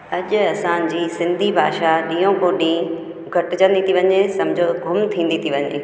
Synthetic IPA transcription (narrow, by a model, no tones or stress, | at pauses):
ɐʄʊɐsãd͡ʑiːsɪ̃nd̪ʱibʱa̰ːʃaɗĩːjõkoɗĩː | ɡʱɐʈɪ̆d͡ʑɐ̃nd̪it̪ʰiʋɐɲesɐmd͡ʑʱoɡʱʊmt̪ʰĩːn̆d̪it̪ʰiʋɐɲḛː